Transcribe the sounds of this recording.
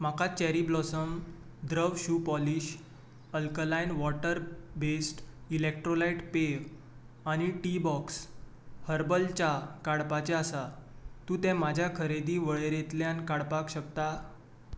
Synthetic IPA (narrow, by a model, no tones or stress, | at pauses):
m̤akat͡ɕɛɾiblɔsəm | d̪ɾəʋɕupɔliɕ | əlkəlajnʋɔʈəɾbesʈilek̚ʈɾolaiʈpe | añiʈibɔks | həɾbəlt͡ɕakaɽpat͡ɕeasat̪ũːt̪ɛ̃mad͡ʑʱjakʰəɾed̪iːʋəɭeɾet̪ljankaɽpakɕəkt̪a